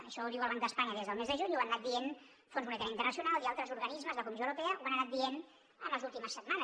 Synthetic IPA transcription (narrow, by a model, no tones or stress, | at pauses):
əʃɔðiwəlˠβaŋkd̪əspaɲəðezðəlˠmezðəʒuɲwannat̪d̪ien | fonzmunɛt̪aɾəint̪ərnəsiunalˠialˠt̪ɾəzuɾɣənizməzðəkumisowɾupɛəʔuanənat̪̚d̪ien | əmləzulˠt̪iməsːət̪manə